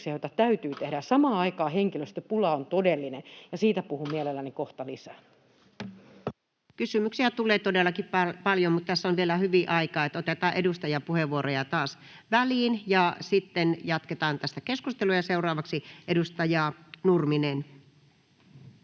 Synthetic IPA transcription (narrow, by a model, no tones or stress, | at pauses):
siɑjoˑt̪ɑt̪æyt̪yːt̪ehɾæsɑmɑːɑikɑːheŋkiløst̪øpulɑont̪odelːinejɑsiːt̪æpuhumielelːænikoht̪ɑlisæ | kysymyksiæt̪ulˑeːt̪odelːˑɑkippɑljomut̪t̪æsːonʋielæhyʋiʔɑikɑːet̪ot̪et̪ɑːʔedust̪ɑjɑpuheʋːuorojɑt̪ɑːs | ʋæliːnjɑsit̪ːenjɑt̪ket̪ɑːnt̪æst̪ækeskust̪elujɑseurɑːʋɑksiʔedust̪ɑjɑːnurminen